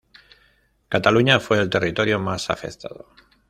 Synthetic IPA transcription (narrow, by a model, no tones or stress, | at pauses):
kat̪aluɲafwe̞ːlt̪e̞rit̪o̞ɾjomasa̰fe̞̰kt̪a̰ðo̰